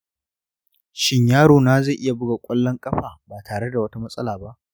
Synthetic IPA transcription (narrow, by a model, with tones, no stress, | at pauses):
ʃɪ˦ɲjaː˦ɽoː˨naː˦ze˦˨ʔɪ˦ja˨bʊ˦ɡa˨kʷʼɐ˦lːɔ˦ŋkʼɐ˦ɸaː˨baː˨tʰaː˨ɽe˦da˨wɐ˦ta˦mɐ˦sʼɐ˦laː˨ba˦ʔ